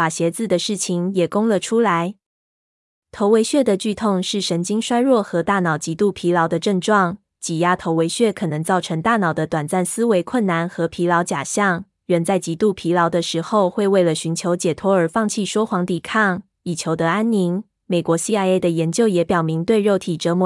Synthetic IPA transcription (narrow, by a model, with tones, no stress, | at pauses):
fa˨˩ɕjɛ˧˥t͡sɹ̩˥˩d̪ə˩ʂɻ̩˥˩t͡ɕʰi˧˩ŋjɛ˨˩kʊ˥ŋlə˨ʈ͡ʂʰu˥la˧˥ɪ | t̪ʰo˧˥ʊwe˧˥ɪɕɥɛ˥˩d̪ə˨˩t͡ɕy˥˧t̪ʰʊ˥˧ŋʂɻ̩˥˩ʂə˧˥nt͡ɕi˥ŋʂwa˥ɪɻwɔ˥˩xɤ˧˥t̪a˥˩nɑ˨˩ʊt͡ɕi˧˥t̪u˥˩pʰi˧˥lɑ˧˥ʊd̪ə˧ʈ͡ʂə˥˧ŋʈ͡ʂwɑ˥˩ŋ | t͡ɕi˨˩ja˥t̪ʰo˧˥ʊwe˧˥ɪɕɥɛ˥˩kʰɤ˨˩nɤ˧˥ŋt͡sɑ˥˩ʊʈ͡ʂʰɤ˧˥ŋt̪a˥˩nɑ˨˩ʊd̪ə˦t̪wa˨˩nt͡sa˥˩nsɹ̩˥we˧˥ɪkʰwə˥˩nːa˧˥nxɤ˧˥pʰi˧˥lɑ˧˥ʊt͡ɕja˨˩ɕjɑ˥˩ŋ | ɻə˧˥nt͡sa˥˩ɪt͡ɕi˧˥t̪u˥˩pʰi˧˥lɑ˧˥ʊd̪ə˧ʂɻ̩˧˥xo˥˧ʊxwe˥˧ɪwe˥˩ɪlə˩ɕy˧˥nt͡ɕʰjo˧˥ʊt͡ɕjɛ˨˩t̪ʰwɔ˥ə˞˨˥fɑ˥˧ŋt͡ɕʰi˥˩ʂwɔ˥xwɑ˧˥ŋt̪i˨˩kʰɑ˥˩ŋ | i˨˩t͡ɕʰjo˧˥ʊd̪ə˧a˥nni˧˥n | me˨˩ɪkwɔ˧˥ɕi˥a˥˧ɪe˥˩ɪd̪ə˩jɛ˧˥nt͡ɕjo˥˩ʊjɛ˧˥pjɑ˨˩ʊmi˧˥ŋt̪we˥˧ɪɻo˥˩ʊt̪ʰi˨˩ʈ͡ʂɤ˧˥mu˧